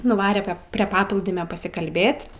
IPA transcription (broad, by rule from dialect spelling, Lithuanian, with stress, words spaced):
nʊˈʋɑːrʲɛ ˈpʲɛp pʲrʲiɛ ˈpɑːplˠuːdʲɪmʲoː pɐsʲɪkɐlʲˈbʲeːtʲ